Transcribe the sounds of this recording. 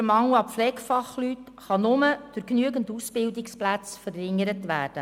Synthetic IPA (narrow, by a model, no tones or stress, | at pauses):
əmɑŋuɑpflɛːkfɑχlyt | χɑnʊməd̥ʊɾknyəɡəndusb̥ɪldɪksplæt͡sfəɾɪŋːəɾətʋæːrd̥ə